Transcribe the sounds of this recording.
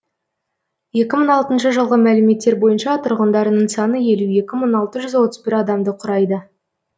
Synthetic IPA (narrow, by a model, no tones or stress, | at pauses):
je̞kʲɪməɴɑlˠt̪ənʃəʒəlˠʁəmælɪme̞t̪ːe̞ɾbo̞jənʃɑt̪ʰʊɾʁənd̪ɑɾənəɴsɑnəje̞lue̞kʲɪməɴɑlˠt̪əʒʏzwo̞t̪əzbɪɾɑd̪ɑmd̪əqʰʊɾɑjd̪ə